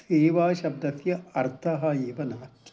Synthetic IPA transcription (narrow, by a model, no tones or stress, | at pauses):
t̪eːʋaːʃɐbd̪ɐθjɐɐɾt̪ʰɐɦɐeːʋɐnaːʈ